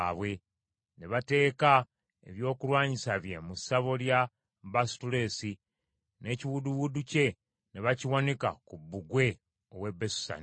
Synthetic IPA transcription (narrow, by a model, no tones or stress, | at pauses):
βwe̞ | ne̞βate̞ːka | e̞̰βjo̞ːkulwaːɲisaβje̞musaβo̞lja | bastule̞ːsi | ne̞ciwuduwuduce̞ | neβaciwaneka̰kubːuɡwe̞ | owe̞bːesu̥sa̰ni